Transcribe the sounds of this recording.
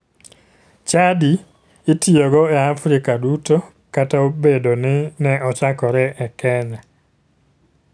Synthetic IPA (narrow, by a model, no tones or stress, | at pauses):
t͡ʃadi | ɪtioɡɔɛafɾɪkaduto | kataobedonɪnɛɔt͡ʃakɔɾɛʔɛkʰɛnɛ